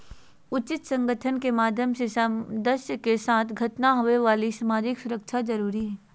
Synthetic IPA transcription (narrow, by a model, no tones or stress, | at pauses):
ʊt͡ʃɪt̪sɐ̃ŋɡəʈʰənkemaːd̪ʱjəmsesd̪əɾʃjəkesaːt̪ʰɡʱɐt̪naɦoeʋaːlisəmaːd͡ʒɪksʊɾəkt͡ʃʰad͡ʒɐɾuːɾiɦɛː